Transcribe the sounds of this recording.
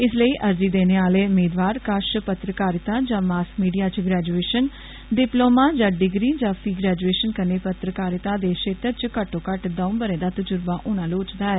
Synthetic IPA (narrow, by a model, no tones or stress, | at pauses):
ɪsləiːʔəɾd͡ʒiːd̪eːneːaːleːʊmeːd̪ʋaːɾkəʃpət̪ɾəkaːɾɪt̪ãːd͡ʒãːmaːskmiːɖijaːt͡ʃɡɾɛːd͡ʒueːʃən | ɖɪploːmãːd͡ʒãːɖɪɡɾiːd͡ʒãːpʰiːɡɾɛːd͡ʒueːʃənkəneːpət̪ɾəkaːɾɪt̪aːd̪eːʃeːt̪ətt͡ʃkəʈːõːkəʈd̪ə̃ʊ̃bəɾeːd̪aːt̪əd͡ʒʊɾbãːʔʊːñãːloːt͡ʃd̪aːɛː